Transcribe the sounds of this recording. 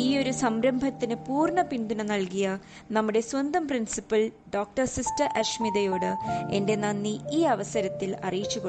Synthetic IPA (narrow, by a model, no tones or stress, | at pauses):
iːo̞ɾusɐmɾɐmbʱɐt̪ːinɨpuːrɳɐpind̪unɐnɐlkijɐ | nɐmːuɽe̞swɐnd̪ɐmprinsipːɐlɖoːk̚ʈɐrsistɐrʔɐʂmiðɐjo̞ːɽɨe̞nde̞nɐnːiiːɐʋɐsɐɾɐt̪ːilɐ̰rijit͡ɕːuɣo